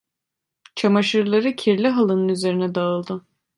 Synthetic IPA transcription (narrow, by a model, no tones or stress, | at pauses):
t͡ʃʰamaʃɯɾlˠaɾɯcʰiɾlʲiɦalˠɯnɯnyze̞ɾinɛd̪aɯlˠd̪ɯ